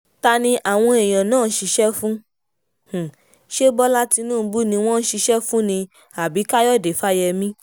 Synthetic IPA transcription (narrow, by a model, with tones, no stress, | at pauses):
ta˧nĩ˧ʔa˨w̃ɔ̃˧e˨j̃ã˨nãː˦˨˦ʃi˧ʃɛ˦fũ˦ | h̩˨ | ʃe˦bɔ˦la˦ti˧nũː˦˨˦bu˦nĩ˧w̃ɔ̃˦n̩˦ʃi˧ʃɛ˦fũ˦nĩ˧ | a˨bi˨˦ka˦jɔ˦˨de˨fa˦jɛ˧mĩ˦